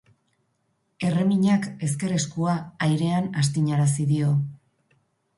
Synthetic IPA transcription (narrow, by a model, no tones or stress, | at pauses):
e̞re̞miɲake̞ske̞ɾeskuaːjɾe̞anast̪iɲaɾasiðio̞